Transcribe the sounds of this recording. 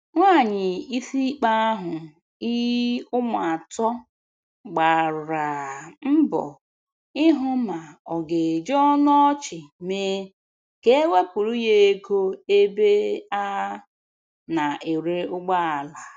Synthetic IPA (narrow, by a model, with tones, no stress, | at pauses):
ŋʷa˦˨ɲɪ˨i˦fi˦k͡pa˦a˦ɦʊ˨ | i˦ʊ˦m˨a˨a˨tɔ˦ | ɡ͡ba˨ɾɾa˨m̩˦bɔ̰˨ | ɪ˦ɦʊ˦ma˨ɔ˨ɡe˨d͡ʒɔ˦nɔ˦t͡ʃɪ˨me˦ | ke˨˦e˦we˦pu˨ɾu˦je˦e˦ɡo˦e˦be˦a˦ | na˨e˨ɾe˨ʊ˦ɡ͡ba˦a˨la˨